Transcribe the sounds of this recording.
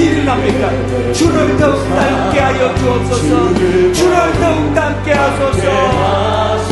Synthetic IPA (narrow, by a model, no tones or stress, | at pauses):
iɾɯnamek͈a | t͡ɕʰuɾʌɭtʌuŋdaŋk͈eɦajʌd͡ʑuʌs͈ʌsʰʌt͡ɕʰuɾʌɭtʌuŋdaŋk͈eɦasʰʌsʰʌ